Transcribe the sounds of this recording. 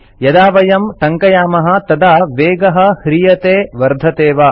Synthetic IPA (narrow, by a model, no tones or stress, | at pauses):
jɐd̪aːʋɐjɐmʈɐŋkɐjaːmɐɦɐ̆t̪ɐd̪aːʋeːɡɐɦɐ̆hɾijɐt̪eːʋɐɾd̪ʱɐt̪eːʋɐ